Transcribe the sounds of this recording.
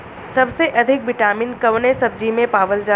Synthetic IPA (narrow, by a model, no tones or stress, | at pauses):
sɐbseʔɐd̪ʱɪk̚ʋɪʈaːmiːnkɐʋnesɐb̚d͡ʒimẽpaːʋəld͡ʒaː